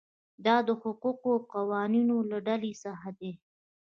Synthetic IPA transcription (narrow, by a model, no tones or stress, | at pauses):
d̪ɑd̪əhʊquqoqawɑninolaɖalesaɦad̪e